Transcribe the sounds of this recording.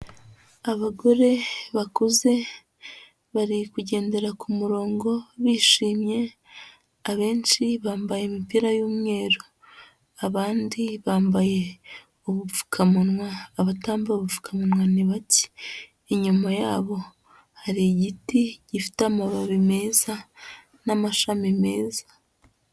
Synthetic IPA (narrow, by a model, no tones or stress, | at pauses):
aβaɡo̞ɾe̞βakuze̞ | βaɾikuɟe̞ːnde̞ɾakʰumuɾo̞ːŋɡo̞βiːʃiːmɲe̞ | aβe̞ːnt͡ʃiβaːmbaje̞mipiɾajuːmŋe̞ːɾo | aβaːndiβaːmbaje̞ | oβuvu̥kʰamunwaːβataːmbaoβuvu̥kʰamunwaniβaci̥ː | ɲumajaːβo̞ | haɾiɟitiɟifi̥teamaβaβime̞ːza | namaʃamime̞ːza